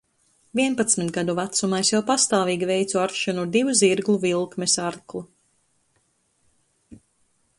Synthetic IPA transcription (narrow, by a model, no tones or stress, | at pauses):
vʲiɛnpat̪smit̪ɡad̪uvat̪sumajsjawpast̪aːviːɡʲivɛjt̪suaɾkʃanud̪ivuziɾɡlˠuvilˠkmɛsaɾklˠu